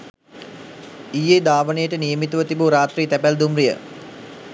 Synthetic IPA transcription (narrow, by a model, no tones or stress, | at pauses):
ijeːd̪aːʋənəjəʈənijəmit̪uʋət̪ibuɾaːt̪riːt̪æpæld̪umrijə̰